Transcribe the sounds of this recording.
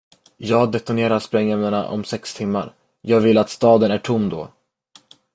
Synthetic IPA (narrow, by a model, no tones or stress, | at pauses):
jɑːɡd̪ɛt̪ʊneːɾaɾspɾɛŋːɛmnaɳa̰ʔɔ̰msɛkst̪ʰɪmːa̰ɾ | jɑːɡvɪlːat̪st̪ɑːd̪ənæʈʰʊmːd̪ɔ̰